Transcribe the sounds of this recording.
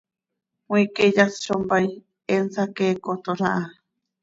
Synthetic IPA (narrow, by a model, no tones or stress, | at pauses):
wĩked͡ʒasʃombaj | ensakeːkot̪oɾaʔa